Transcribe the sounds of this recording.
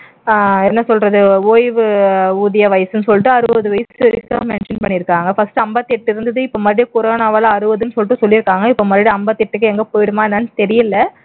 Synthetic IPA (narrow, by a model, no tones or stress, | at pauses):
ɛnːɐsɔlrɐðɯoːjʋɯuːðɪjɐʋɐjɐsɯnɯsɔlːɪʈːɯɐɾɯʋɐðɯʋɐjɐsɪɾɪt̪ːa̰ːmɛnʂɐnpɐɳːɪɾɯkːaːŋɡɐfɐsʈɯɐmbɐt̪ːɛʈːɪɾɯnd̪ɯðɯɪpːomɐdɪɾikʊɾoːnaːʋɐːlɐɐɾɯʋɐðɯnɯsɔlːʈːɯsɔlːɪɾɯkːaːŋɡɐɪpːomɐd̪ɾɪɽiɐmbɐt̪ːɪʈːɯkːɯɛŋɡɐpoːjɪɽɯmaːɛnːɐnt̪ɛɾɪjɪlːɐ